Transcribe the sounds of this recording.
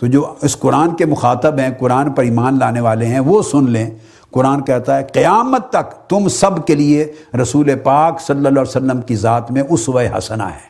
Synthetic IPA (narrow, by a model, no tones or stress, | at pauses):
t̪od͡ʒoːɪsqʊɾaːnkemʊxaːt̪əbɦɛ̃qʊɾaːnpɐɾiːmaːnlaːneʋaːleɦɛ̃ʋosʊnlẽ | qʊɾaːnkɛɦt̪aɦɛqɪjaːmət̪ːɐkt̪ʊmsɐbkelieɾɐsuːlepaːksɐlːəlɔːsəlːəmkizaːt̪mẽʔʊsʋɐeɦɐ̰səna̰ɦɛː